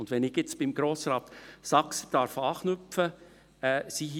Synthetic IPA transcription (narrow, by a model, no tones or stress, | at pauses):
ʊnd̥ʋɛnɪɡjɛt͡sb̥ɪmɡɾoːsɾɑːt̪sɑksə̥d̥ɑɾfɑːχnʏfə | ɛːsiɦi